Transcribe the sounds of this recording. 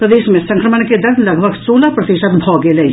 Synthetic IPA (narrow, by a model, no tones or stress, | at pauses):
pɾəd̪eːʃmẽsɐ̃ŋkɾəmənked̪ɐɾd̪lɐɡʱbʱəɡsoːlapɾɐt̪iʃət̪bʱɔːɡelɐ